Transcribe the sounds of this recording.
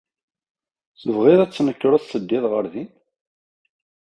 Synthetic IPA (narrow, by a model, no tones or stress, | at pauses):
səvʁɪðæt͡sːnəkːɾəθsəd̪ːɪðʁəɾðin